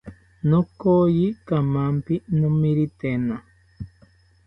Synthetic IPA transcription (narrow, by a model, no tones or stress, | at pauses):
nõkojikamampinõmiɾit̪ena